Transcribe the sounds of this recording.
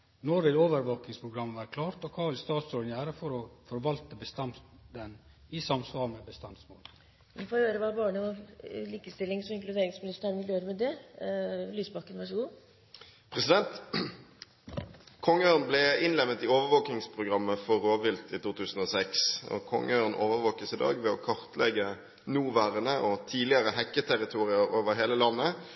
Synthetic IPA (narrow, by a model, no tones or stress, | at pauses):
nɔɾʋɪloːʋəɾʋoːknɪŋspʰɾʊɡɾɑmːʋæːɾəkʰlɑːɾt̪ɔkʰɑːʋɪlst̪ɑːt̪sɔnjæːɾəfɔɾɔfɔɾʋɑlt̪əbəst̪ɑnd̪ɛn | ɪsɑmsʋɑːɾmɛbəst̪ɑnsmoːl | mɛnfoːɾhøːɾəʋɑbɑːɳəɔliːkəst̪ɪlːɪŋsɔɪŋklʉd̪eːɾɪŋsmɪnɪst̪əɾɪljøːɾəmɛd̪ɛ | lyːsbɑkːənʋɑʂɔɡuː | pʰʁɛsɪd̪ɛnt̪ | kʰɔŋːəøːʁnblɛɪnlɛʋnət̪ɪoːʋəʋoːknɪŋspʰʁʊɡʁɑmːəfɔʁoːʋɪlt̪iːt̪uːt̪ʰʉːsən̩ɔːsɛksɔ̰kʰɔ̰ŋːəøːʁnʔoːʋəʋoːkəsɪd̪ɑ̰ːɡʋɛɔkʰɑʁt̪lʔɛɡə | nuːʋæːʁənəʔɔt̪ʰiːlɪəʁəhɛkːət̪ʰæɾɪt̪ʰuːʁɪəɾoːʋəɦeːləlɑnːə